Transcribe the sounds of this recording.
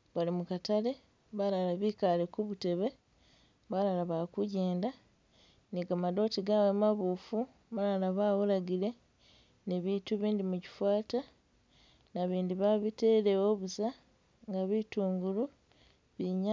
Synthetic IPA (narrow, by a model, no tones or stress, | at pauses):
βalimukatale̞ | βalalaβikalekuβute̞βe̞ | βalalaβakuɟe̞ːnda | niɡamado̞ːtiɡawemaβuːfu | βalalaβawulaɡile̞ | niβituβiːndimuci̥fwaːta | naβiːndiβaβite̞le̞wo̞ːβusa | ŋɡaβituːŋɡulu | βiɲa